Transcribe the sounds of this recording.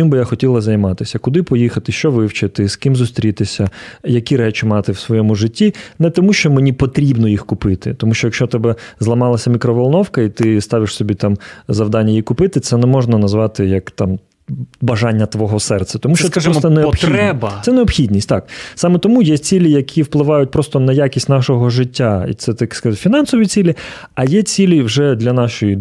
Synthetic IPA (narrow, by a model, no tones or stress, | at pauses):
imbɨjaxɔtʲilˠɐzɐjmɑt̪ɪsʲɐkʊd̪ɪpɔjixɐt̪ɪʃt͡ʃɔʋɪwt͡ʃɪt̪ɪskɪmzʊst̪ɾʲit̪ɪsʲɐjɐkʲiɾɛt͡ʃɪmɑt̪ɪwsʋɔjɔmʊʐɪtʲːinɛt̪ɔmuʃt͡ʃɔmenʲipɔt̪ɾʲibnɔjixkʊpɪt̪ɪ̰t̪ɔmuʃt͡ʃɔjɐkʃt͡ʃɔt̪ɛbɛzlˠɐmɑlˠɐsʲɐmʲikɾɔʋɐlˠnɔwkɐit̪ɪst̪ɑʋʲɪʂsɔbʲit̪ɑmzɐwd̪ɑnʲːɐjikʊpɪt̪ɪt̪sɛnɛmɔʒnɐnɐzʋɑt̪ɪjɐkt̪ɑm | bɐʒɑnʲːɐt̪ʋɔɦɔsɛrt̪sɛt̪ɔmuʃt͡ʃt͡ʃɔɔsɔneɔpxɛbɐɛneɔpxʲid̪ʲnʲisʲtʲt̪ɑksɑmɛt̪ɔmujɛt͡sʲilʲijɐkʲʰiwplˠɪʋɑjʊt̚ʲpɾɔst̪ɔnɐjakʲisʲtʲnɑʃɔɦɔʒɪtʲːaḭt̪sɛt̪ɐkskɐzfʲinɑnsɔʋʲit͡sʲilʲi | ɐjɛt͡sʲilʲiwʒɛd̪lʲɐnɑʃɔji